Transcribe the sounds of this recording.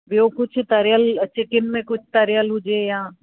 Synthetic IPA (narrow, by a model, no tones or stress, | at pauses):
bjokʊt͡ʃʰt̪ɐɾjəlt͡ʃɪkɪmːẽkʊt͡ʃʰt̪ɐɾjəlɦʊd͡ʒejãː